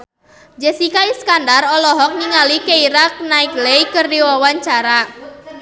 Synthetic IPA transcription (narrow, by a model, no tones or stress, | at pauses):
d͡ʒɛsikaiskandarɔlɔɦɔk̚niŋalikeiɾak̚naɪklejkɨrdiwawaɲt͡ʃaɾa